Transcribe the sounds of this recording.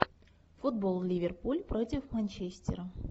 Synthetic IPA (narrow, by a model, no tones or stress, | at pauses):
fud̪̚bolˠlʲivʲerpulʲpɾotʲɪfmɐnʲt͡ɕesʲtʲɪ̰ɾə